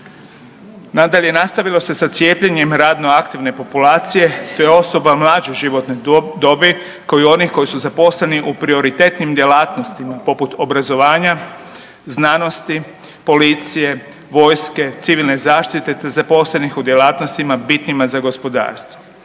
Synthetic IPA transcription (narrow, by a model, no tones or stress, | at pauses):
nad̪aʎe̞nast̪aʋilˠo̞se̞sat̪sjeːpʎeɲe̞mɾaːd̪no̞akt̪iʋne̞po̞pulaːt̪sije̞ʃt̪ojeo̞so̞bamlˠaːd͡ʑeʒiʋo̞t̪ned̪obe | kaoio̞nixko̞jisuzapo̞sleniʔupɾio̞ɾit̪e̞t̪nimd̪je̞laːt̪no̞st̪imapo̞put̪o̞bɾazo̞ʋaːɲa | znano̞st̪i | polit̪sije̞ | ʋo̞ːjske̞t̪siʋilˠne̞zaːʃt̪it̪e̞t̪ezapo̞slenixud̪je̞laːt̪nost̪imabit̪nimazaɡo̞spo̞d̪a̰ːɾst̪ʋoʋo